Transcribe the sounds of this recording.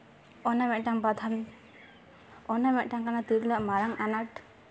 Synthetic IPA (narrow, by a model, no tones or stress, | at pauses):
ɔnamɛʔʈaŋbad̪ʱʰan | ɔnamɛʔʈaŋkanat̪iɾlaʔmaɾaŋanaʈ